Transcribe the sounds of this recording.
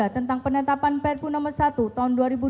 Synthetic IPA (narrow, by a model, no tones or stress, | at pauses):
at̪ənt̪aŋpənət̪apanpɛrpunɔmərsat̪ut̪aɦʊnduaɾibu